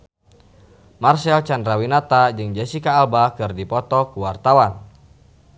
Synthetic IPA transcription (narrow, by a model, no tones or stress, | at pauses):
marsɛlt͡ʃandɾawinat̪ad͡ʒɨŋd͡ʒɛsikaːlbakɨrdipɔt̪ɔkuwart̪awan